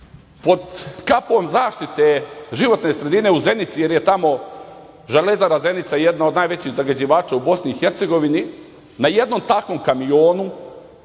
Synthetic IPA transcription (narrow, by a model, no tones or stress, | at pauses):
po̞d̪kapo̞mzaːʃt̪it̪e̞ʒiʋo̞t̪ne̞sɾe̞d̪ine̞uze̞nit̪sije̞ɾje̞t̪amo̞ | ʒelezaɾaze̞nit̪saje̞d̪nao̞d̪naːjʋet͡ɕiɣzaɡad͡ʑiʋaːt͡ʃaubo̞sniːxe̞ɾt̪seɡo̞ʋini | naje̞d̪no̞mt̪ako̞mkamio̞ːnu